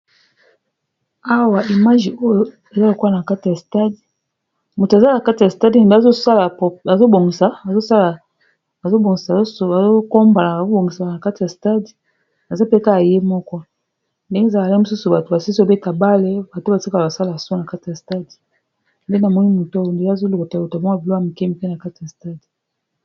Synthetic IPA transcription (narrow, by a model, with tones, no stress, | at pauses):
a˦wa˨i˨ma˦ʒi˨o˦jo˦ | e˨za˦lo˨ku˦a˨na˨ka˦ti˨ja˨sta˦di˨ | mu˨ta˨za˦na˨ka˦ti˨a˨sta˦di˨ne˨be˦˨zo˦sa˦la˨pɔ˨a˨zo˦bo˨ŋɡi˨sa˨a˨zo˦sa˦laː˨ | zo˦bo˨ŋi˨sa˨˦˨a˨zo˦ko˦mba˨la˨a˨zo˦bo˨ŋɡi˨sa˨na˨ka˦ti˨ja˨sta˦di˨ | a˨za˦pe˦ka˦ja˨je˦mɔ˦kɔ˦ | nde˦ŋɡe˦za˨la˨la˨˦i˦mu˨s̬u˦su˨ba˨to˨ba˨si˦si˦o˦be˦ta˨ba˦le˦ba˨to˦ba˨si˦ka˨a˨sa˦la˨sɔ˦na˨ka˦ti˨ja˨sta˦di˨ | nde˦na˨mɔ˦ni˦mu˨ta˦wo˨nde˦a˦˨zo˦lo˨ko˨ta˨o˨ta˨mɔ˦a˨bi˨o˦a˦˨mu˨ke˦mi˨ke˦na˨ka˦ti˨ja˨sta˦di˨